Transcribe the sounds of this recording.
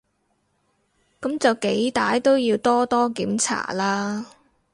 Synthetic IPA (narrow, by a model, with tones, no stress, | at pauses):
kɐ˨˥mt͡sɐ˨wke˨˥jt̪aː˨˥jt̪o˥wjiː˧wt̪ɔː˥t̪ɔː˥kiː˨˥mt͡sʰa̰ː˨˩laː˥